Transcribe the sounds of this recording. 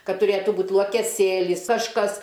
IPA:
ˈkɐt tʊˈrʲeːtuː ˈbuːt lˠuɔkʲɛˈsʲeːlʲɪs ɐʃˈkɐs

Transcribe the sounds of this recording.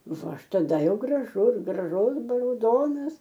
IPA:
ˈʋɐ ˈɐʃ tɐˈdɐ ˈjɛʊ ɡrɐˈʒʊs ɡrɐˈʒʊs rɐʊˈdoːnɐs

